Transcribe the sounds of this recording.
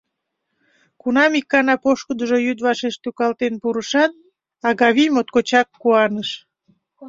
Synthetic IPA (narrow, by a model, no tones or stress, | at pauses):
kunɑmikːɑnɑpoʃkəd̪əʒojyd̪βɑʃeʃt̪ukɑlt̪enpuɾəʃɑt̪̚ | ɑɣɑβimot̪̚kot͡ɕɑkːuɑnəʃ